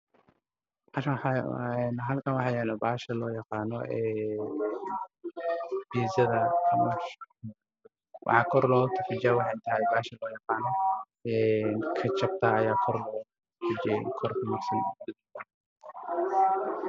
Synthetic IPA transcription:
baʃħɛnɦɐlkʰɐnwɑħɑjɛlɛbaːʃɐlɔːjɑqɑːnɔ̰ʔɛː | b̥iːzɐðɐmɐʃ | wʔɑ̰ħɑkʰɔɾlɔːt̪ʰɐfɪd͡ʒaːwɑħɑnt̪ʰɐhɛjbaːʃɐlɔːjɑqɑːnɔ | ɛːnkʰɐt͡ʃɐb̚t̪ʰaɐjaːkʰɔrlɔː | fɪd͡ʒɛ̰kʰɔrkʰɐmɐsɪmbɪd̪ | ɐ

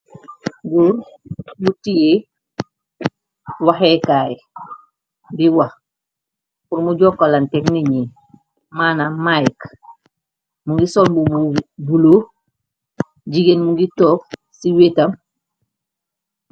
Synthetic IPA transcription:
ɡuɾmutije | wahekaːje | biwa | kuɾmuɟoːkːalantekniɲi | maːnamajk | muŋɡisombubulo | ɟiɡenmuŋɡitoːk̚ | siwetam

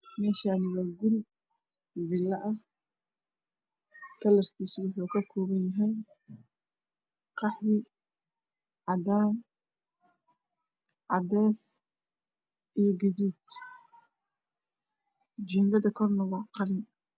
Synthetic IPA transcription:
mɛːʃaːnɪwaːɡʊl | ðɪlːɐʔɐh | t̪ʰɐlɐrkʰiːswʊħuːkʰɐkʰɔːβɐnjɐɦɛj | qɑħβɪ | ʕɑd̪aːm | ʕɑd̪ɛːs | ʔijɞɡɐðuːd̪ | d͡ʒɛːŋɡɐðɐkʰɔrnɐwɑqɑlɪn

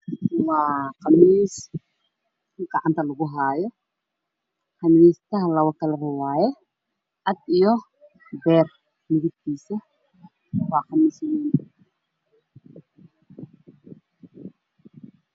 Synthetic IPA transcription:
waːqɑmiːs | ɡɐʕant̪ʰɐlʊɣʊɦaːjɔ | qɑmiːst̪ɐɦlɐwɐkɐlɐɾɐwaːjɛ | ʔɐd̪ijɔ | bɛːr | mɪɣɪd̪t̪iːsɐ | wɑːqɑmiːsniːn

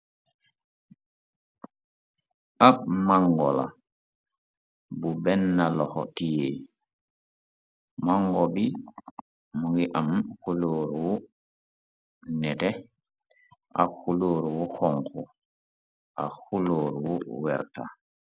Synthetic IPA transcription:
ʔapmaŋɡɔla̰ | bubɛnːalɔxɔ̰tije | maŋɡɔbi | muŋɡiʔamkuloːɾwu | nɛtɛ | ʔakuloːɾuwuxɔŋku | ʔa̰xuloːɾwuwɛɾta̰

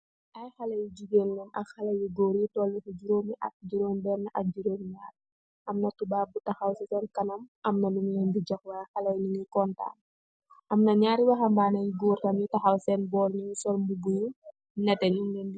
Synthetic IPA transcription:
ʔɐjxɐlɐjid͡ʒuɡenlumɐ̰kxɐlɐjiɡoːɾitɔlːufud͡ʒuɾoːmiʔɐ̰k̚d͡ʒuɾoːmbɛrnɐʔɐk̚d͡ʒuɾoːmɲaːr | ʔɐmnɐtubaːbutɐxɐwsɛsɛnkɐnɐmʔɐmnɐlumlɛnbid͡ʒɔkwɐxɐlɐjniŋikɔnta̰ːn | ʔɐmnɐɲaːɾiwɐxɐmbaːnɐjiɡoːrtɐmjitɐxɐwsɛnbɔːrɲusɔlmbubuju | nɛtɛɲuŋɡɛndi

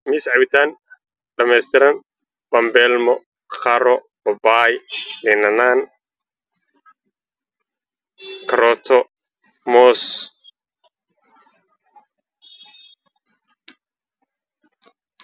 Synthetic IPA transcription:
miːsʕɑβɪt̪ʰaːn | ɖɐmɛːst̪ʰɪɾɐn | b̥ɐmbɛːlmɔ | χɐɾɔ | ɔbaːjlɛnɐnaːn | kʰɐɾɔːt̪ʰɔ | mɔːs

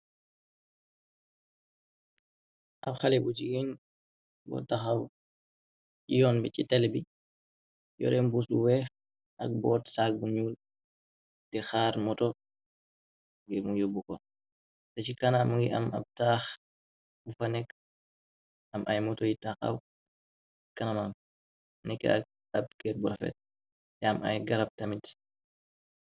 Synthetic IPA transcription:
ʔabxalɛbud͡ʒiɡeɲ | bɔ̰taxaw | ijɔnbɛt͡ʃitɛlbi | jɔ̰ɾɛmbusɗṵwɛx | ʔa̰k̚bɔːtsak̚buɲuːl | dɛxaːɾmɔtɔ | ŋɡɛmujobːukɔ | tat͡ʃikanamɡɛa̰ma̰b̚tax | ufanɛk | ʔamʔa̰jmɔtɔjitaxa̰w | kanamam | nɛkːɛ̰a̰k̚ | ab̚ɡɛɾbɔɾɔfɛ̰t̚ | dɛama̰jɡaɾab̚tamid

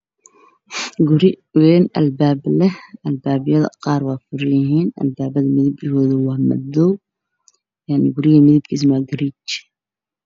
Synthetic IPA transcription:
ɡʊɾɪ | wɛːnɐ̰lbaːblɛɐlbaːbɪjɐðɐ̰qɑːɾwaːfʊɾɪjɪɦiːnɐ̰lbaːbɐðɐmɪðibɪhɔːðɐwaːmɐ̰d̪ɔw | jaʕnɪɡʊɾɪɣɐmɪðib̚kʰis̬maɡɐɾit͡ʃ

